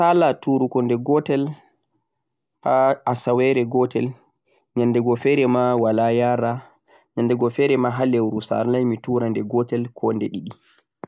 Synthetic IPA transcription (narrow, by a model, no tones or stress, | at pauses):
talatuɾukɔndɛɡɔtɛl | haasawɛɾɛɡɔtɛl | ɲandɛɡɔfɛɾɛmawalajaɾa | ɲandɛɡɔfɛːɾɛmaɦalɛwɾusa̰ɾlajmituɾandɛɡɔtɛlkʰɔndɛɗiɗi